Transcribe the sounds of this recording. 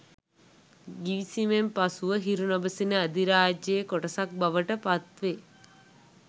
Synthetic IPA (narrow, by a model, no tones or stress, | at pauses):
ɡiʋisimempasuʋəɦiɾunɐbəsinəːd̪iɾaːd͡ʒjeːkoʈɐsak̚bɐʋəʈəpat̪ʋe